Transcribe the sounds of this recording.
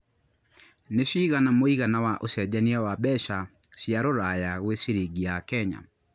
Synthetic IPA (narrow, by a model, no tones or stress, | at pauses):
neʃiːɣanamoiɣanawaʔosɛd͡ʒaniawabɛʃa | ʃjaɾoɾajaɣwesiɾiɡiakɛɲa̰